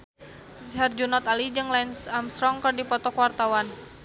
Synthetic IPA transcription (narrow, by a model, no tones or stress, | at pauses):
ɦard͡ʒunɔt̪alid͡ʒɨŋlansamst̪ɾɔŋkɨrdipɔt̪ɔkwart̪awan